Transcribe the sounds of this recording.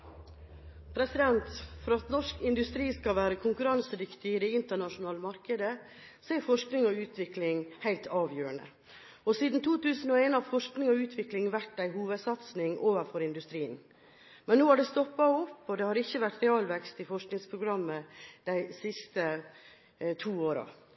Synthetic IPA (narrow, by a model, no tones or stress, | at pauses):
pʰɾɛsɪd̪ɛnt̪fɔɾɑt̪nɔʂkɪnd̪ʉst̪ɾiːskɑʋæːɾəkʰʊŋkʉɾɑnsəɾɪkt̪ɪd̪ɛɪnt̪əɳɑʂʊn̩ɑːləmɑɾkəd̪ə | sɔæɾfɔʂknɪŋɔʉːt̪ʰʋɪklɪŋhæɪlt̪ʰɑːʋjøːəɳə̰ | ɔsiːd̪n̩t̪ʰuːt̪ʉːsən̩ɔːeːnɑʋfɔʂknɪŋɔʉːt̪ʰʋɪklɪŋʋæʈːæɪɦuːʋəd̪sɑt̪snɪŋʔoːʋəɾfɔɾɪnd̪ʉst̪ɾiːən | mɛnːoːæɖɛst̪ɔpːɑɔpːɔd̪ɛhɑːɾɪçːəʋæʈːɾɛɑːlʋɛkst̪ɪfɔʂknɪŋspʰɾʊɡɾɑmːəd̪̥æɪsɪst̪ə | t̪ʰuːoːɾɑ̰